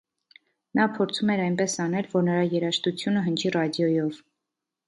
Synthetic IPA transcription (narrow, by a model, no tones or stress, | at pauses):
nɑpʰɔɾt͡sʰumɛɾɑjnpɛsɑnɛlvɔɾnəɾɑjɛɾɑʃt̪ut͡sʰjunəɦənt͡ʃʰirɑd̪jɔjɔv